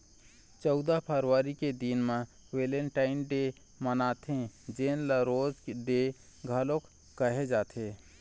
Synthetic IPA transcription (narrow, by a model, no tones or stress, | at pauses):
t͡ʃɔʊd̪apʰəɾʋaːɾiked̪inmẽ | weːleɳʈaːɪnɖe | mənaːt̪ʰẽd͡ʒeːnləɾoːzkɖe | ɡʱəlokː | əɦed͡ʒaːt̪ʰeː